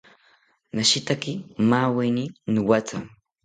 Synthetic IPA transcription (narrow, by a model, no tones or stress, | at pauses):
naʃɪt̪akɪmawijninʊwat͡sa